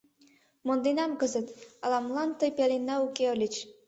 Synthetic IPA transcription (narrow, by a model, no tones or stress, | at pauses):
mond̪enɑmkəzət̪ɑlɑmlɑnt̪ɤ̆əjpælenːæukeəlʲit͡ɕ